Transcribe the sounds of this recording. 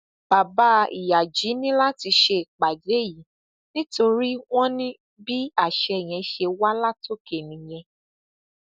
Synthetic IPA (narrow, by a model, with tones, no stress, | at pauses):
b̥a˨ba˨˦ḭ˨ja˨d͡ʒi˨˦nĩ˦la˦ti˧ʃe˧˨k͡pa˨d͡ʒe˨˦ji˨˦ | nĩ˦to˧ɾi˦w̃ɔ̃˦nĩ˦ | bi˦a˦˨ʃɛ˧˨j̃ɛ̃˧ʃe˧wa˦la˦˨to˦˨ke˨nĩ˨j̃ɛ̃˧